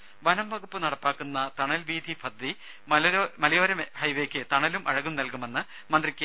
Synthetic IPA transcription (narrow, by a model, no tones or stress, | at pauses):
ʋɐnɐmʋɐɣupːɨnɐɽɐpːaːkːunːɐt̪ɐɳɐlʋiːd̪ʱipʰɐd̪ːi | mɐmɐlɐjoːɾɐmhɐjʋeːkʲːɨt̪ɐɳɐlumʔɐɻɐɣumnɐlkume̞nːɨ | mɐnd̪rikʲːɨ